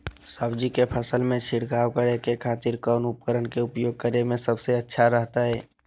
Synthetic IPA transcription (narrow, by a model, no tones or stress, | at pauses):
saːbd͡ʒikepʰəsəlmẽt͡ʃʰɪɽkaːwkəɽekekʰaːt̪ɪɾkɔːnʊpkəɾənkeʊpjoːɡ̚kəɾemẽsəbseətːʃʰaɾəɦt̪aɦɛː